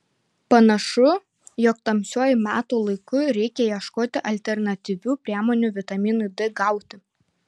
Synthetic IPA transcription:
pɐnɐʃʊ | jɔkt̪ɐmʲsʲuɔjʊmʲæːt̪uːlˠɐɪkʊɾʲɛɪkʲɛjiɛʃkoːt̪ʲɪʔɐlʲt̪ʲɛɾnɐt̪ʲiʋʲuːpʲɾʲiɛmoːnʲuːʋʲɪt̪ɐmʲiːnʊd̪ʲɪɡɐˑʊt̪ʲɪ

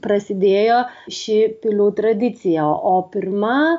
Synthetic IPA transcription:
pɾɐsʲɪd̪ʲeːjoːʃʲɪpʲɪlʲuːt̪ɾɐd̪ʲɪt̪sʲɪjɛoːpʲɪɾmɐ

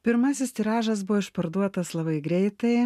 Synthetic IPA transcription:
pʲɪɾmɐsʲɪst̪ʲiːɾɑːʒɐsbʊʋoɪʃpɐɾd̪uɔt̪ɐslˠɐbɐɪɡɾʲɛɪt̪ɐɪ

